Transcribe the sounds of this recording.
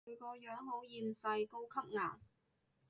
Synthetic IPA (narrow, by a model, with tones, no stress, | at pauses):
ɥkɔː˧jœː˨˥ŋɦo˨˥wjiː˧msɐ˧jko˥wkʰɐ˥p̚ŋaː˨˩ŋ